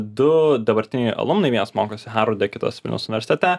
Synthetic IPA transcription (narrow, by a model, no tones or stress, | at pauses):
d̪ʊd̪ɐbɐɾʲt̪ʲɪnʲɛɪʔɐ̰lˠʊmnɐɪʋʲɛnɐsmoːkoːsʲɪɦɑɾʊd̪ʲɛkʲɪt̪o̰ːsʋʲɪlʲnʲɛʊsʊnʲɪʋʲɛɾsʲɪt̪ʲɛt̪ʲɛ